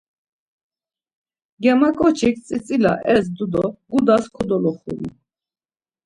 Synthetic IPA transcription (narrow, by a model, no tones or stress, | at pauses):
ɡɛmakʼɔt͡ʃʰik̚ʰt͡sʼit͡sʼila̰ʔɛs̬d̪ud̪ɔɡud̪askʰɔd̪ɔlɔχṵɾḭ